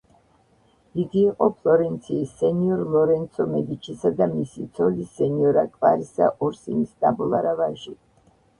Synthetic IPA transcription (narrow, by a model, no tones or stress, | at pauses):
d̪iɡiːqʼɔpʰlˠɔɾɛnt̪sʰiːsːɛniɔɾlˠɔɾɛnt̪sʰɔmɛd̪it͡ʃʰisad̪amisit̪sʰɔlisɛniɔɾakʼvaɾisa̰ʔɔɾsinist̪ʼabɔlˠaɾavaʒi